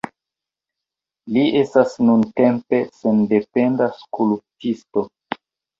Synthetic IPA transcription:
liʔe̞stasnunte̞mpe̞se̞nde̞pe̞ndaskulp̚tisto̞

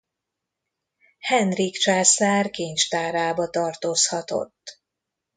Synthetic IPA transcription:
hɛnrikt͡ʃaːsaːrkeːɲt͡ʃt̪aːɾaːbɒt̪ɒrt̪oshɒt̪o̞̰t̪ː

